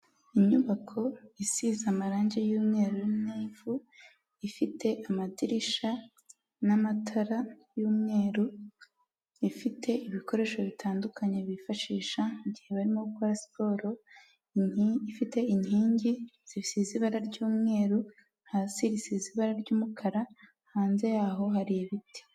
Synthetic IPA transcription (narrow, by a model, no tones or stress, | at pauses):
iɲuβakʰo̞isizamaɾaːɲɟe̞juːmŋe̞ːɾujuniːvu | ifitʰe̞ʔamadiɾiʃa | namatʰaɾajuːmŋe̞ːɾu | ifitʰe̞iβiko̞ɾe̞ːʃo̞βitʰaːndukaɲe̞βifaʃiːʃaiɟihe̞βaɾimoukoɾasi̥po̞ɾo̞ | ifite̞iɲhiːɲɟiz̥ifisiziβaɾaɾɟuːmŋe̞ːɾu | n̥hasiɾisiziβaɾaɾɟuːmukʰaɾa | haːnze̞jaːɦo̞ɦaɾijeβiti̥